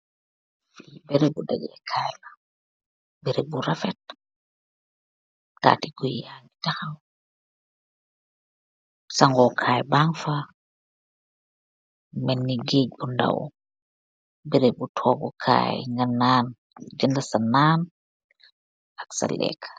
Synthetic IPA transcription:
fiibɛɾebudaɡɛkʰajla | biɾebuɾafɛt̚ | ta̰ːtiɡuanidaxaw | saŋɡɔkʰaːjbaŋfa | mɛnːiɡeɡ̚bunda̰w̰ | bɛɾebutʰɔɡɔkʰa̰ːjŋɡanːaːn | d͡ʒɛndasanːaːn | aksa̰lʔɛ̰kʰḁ

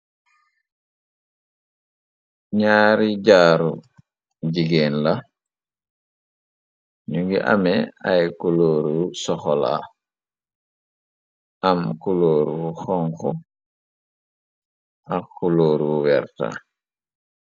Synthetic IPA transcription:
ɲaːɾiɟaːɾṵ | ɟiɡeːnla | ɲuŋɡiʔa̰mɛajkuloːɾusɔxɔla̰ | ʔamkuloːɾuxɔŋkɔ | ʔakːuloːɾuwɛɾta̰

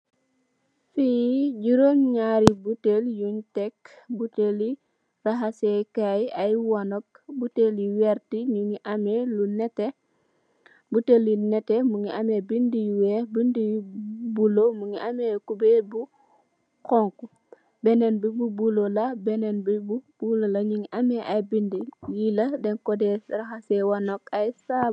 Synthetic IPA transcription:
fiɟuɾoŋɲaɾibuteljuntɛk | buteli | raɦasɛkajajwanɔk̚ | buteliwɛɾtiɲuŋiʔamelunɛt | butelinɛtɛmuŋiʔamebindijuwebindijbulomuŋiʔamekubebu | kɔŋku | bɛnɛnbibubulolabɛnɛnbibub̥ulolaɲiŋiʔameʔajbindijiladɛnkɔdɛraxasɛwanokajsa

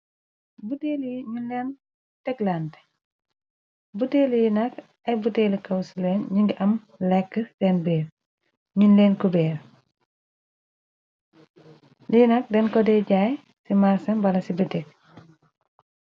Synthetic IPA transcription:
buteːlɲunlɛːn | tɛɡland | buteːlijinɐk | ɐjbuteːlikɐwsulɛnɲiŋɡiʔɐm | lɛkːədɛnbɛːɾ | ɲunlɛːnkubɛːr | linɐk̚dɛnkɔdɛɟaːj | simaɾsɐmbɐlɐsibətɛk̚

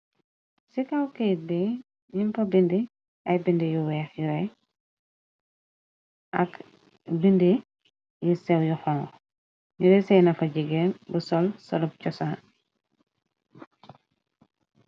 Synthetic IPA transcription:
sikɐwkɛj̚bɛ | ɲimpɐbindi | ʔɐjbindijuwɛːxjuɾɛ | ʔɐk | bindi | jisɛwjuxɔŋ | ɲuɾɛsɛjnɐfɐɟiɡɛnbusɔlsɔlup̚cɔsaː

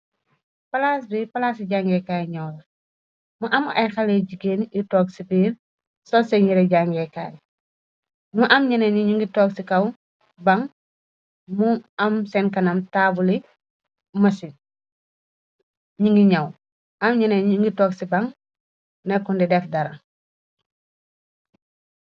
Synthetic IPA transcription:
pɐlaːsbipɐlaːsiɟaŋɡɛkaːjɲɐwlɐ | muʔɐmɐjxɐlɛɟiɡenitɔːksibiːɾ | sɔsɛɲiɾɛɟaŋɡɛkaːj | muʔɐmɲɐnɛɲɲiŋɡitɔːksikɐw | bɐŋ | muɐmsɛnkɐnɐmtaːbuli | mɐsi | ɲiŋɡiɲɐw | ɐmɲɐnɛŋɡitɔːksibɐŋ | nɛkːundidɛfdɐɾɐŋ

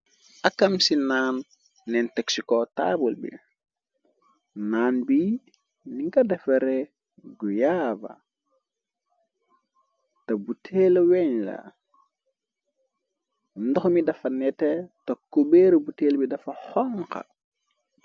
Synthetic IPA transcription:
ʔɐkːɐmsinaːnː | ɛntɛksikɔta̰ːbulbḭ | naːnbi | niŋkɐdɛfeɾe | ɡujaːbɐ̰ | tɐbutʰelɐwɛɲla̰ | ndɔxmidɐfɐnɛtetɐkːubeɾubuteːlbidɐfɐxɔŋkɐ̰

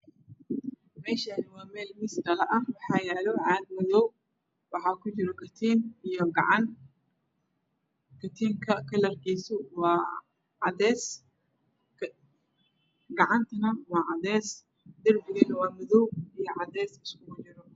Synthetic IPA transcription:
mɛːʃɐnɪwɑːmɛːlmɪsd̪ɐlɐʔɐwɑħɑːjɛːlɔʕɑːd̪̚mɐðɔw | wɑħɑːkʰʊd͡ʒɪɾɔkʰɐt̪ʰiːnijɔɡɑʕɑn | kʰɐt̪ʰiːŋkʰɐkʰɐlɐrkiːsʊwɑː | ʕɑdɛːs | ɡɑʕɑnt̪ʰɐnɐwɑːʕɑd̪ɛːs | d̪ɐrbɪɣɐnɐwɑːmɐðɔwijɔʕɑd̪ɛːsɪskʊɡʊd͡ʒɪɾɔ

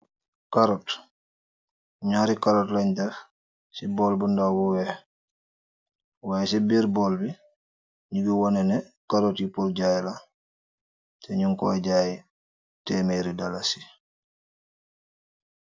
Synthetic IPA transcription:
kaɾɔt | ɲaɾikaɾɔtlaɲtɛf | sibɔlbundawuwɛ | wajɛsɛbiɾbɔlbi | ɲubiwɔnɛnɛ | kaɾɔtjipɔlɟajɛla | tɛɲuŋkɔɟaːji | tɛːmeɾidalasi̥

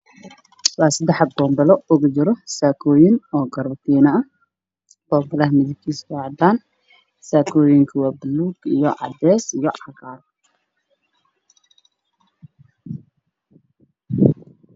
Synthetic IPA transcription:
wɑːsɪd̪ɛħɐbɔːmbɐlɔʊɣʊt͡ʃɪɾɔsaːkʰɔːjɪnɔːɡɐrbɐt̪ʰiːnɐɐ | b̥ɔːmbɐlɐɦmɪðɪb̚kʰiːsɑʕd̪aːn | saːkʰɔːjɪŋkʰɐwaːbɪlːuːɡijɔʕɑ̰d̪ɛːsijɔʕɑɣaːr

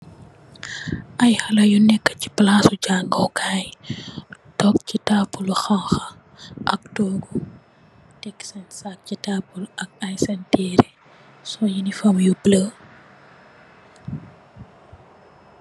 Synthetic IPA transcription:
ʔɐjhɐlɐjunɛkːə̥ci̥plasuɟaːŋɡɔwkʰaːj | tɔk̚citaːpːuluxaŋxɐ | ʔɐk̚tɔːɡu | tɛksɛnsak̚citapulʔɐk̚ɐjsɛntɛɾi | sɔjinifɐmjubləː

